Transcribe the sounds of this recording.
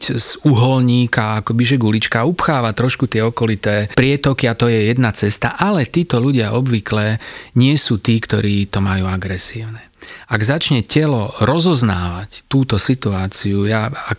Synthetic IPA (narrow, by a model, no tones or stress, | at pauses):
zuɦɔlɲiːkaakɔbiʒɛɡulit͡ʃkaupxaːʋat̪ɾɔʃkut̪ɪɛɔkɔlit̪ɛːpɾɪɛt̪ɔkiat̪ɔjɛjɛd̪nat͡sɛst̪aʔalɛt̪iːt̪ɔʎuɟɪaʔɔbʋiklɛɲɪɛsuːt̪iːkt̪ɔɾiːt̪ɔmajuːaɡɾɛsiːʊnɛ | aɡzat͡ʃɲɛcɛlɔɾɔzɔznaːʋact̪uːt̪ɔsit̪uaːt͡siujaak